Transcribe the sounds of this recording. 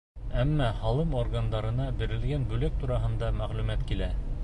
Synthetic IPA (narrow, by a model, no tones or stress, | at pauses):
æmːɑhɑlˠɤmorɡand̪ɑɾɤ̆nɑbɘ̆ɾɘ̆lɡænbʉlæk̚t̪uɾɑɦɤ̆nd̪ɑmæʁlʉmæt̪kilæ